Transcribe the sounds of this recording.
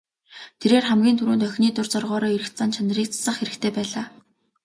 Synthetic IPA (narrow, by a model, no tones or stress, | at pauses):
t̪ʰeɾeːrχæmɡʲiːnt̪ʰuɾuːnt̪œxʲniːt̪ʊrt͡sɔrʁɔːɾɔːiɾɘ̆kt͡saːnt͡ɕʰanriːk̚t͡sʰḁsə̆χxeɾɘ̆kt̪ʰeːpæːɮaː